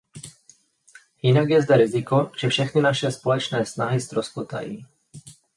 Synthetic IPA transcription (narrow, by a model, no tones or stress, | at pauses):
jɪnaɡjɛzd̪ɛɾɪzɪkoʒ̥ɛfʃɛxnɪnaʃɛspolɛt͡ʃnɛːsnaɦɪst̪ɾospot̪a̰jḭː